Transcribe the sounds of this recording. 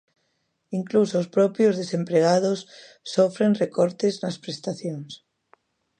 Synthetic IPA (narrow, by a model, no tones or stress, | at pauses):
iŋklusoːspɾɔpjozðesempɾeɣaðosː | ofɾenrekɔɾt̪eznɐspɾest̪aθjoŋs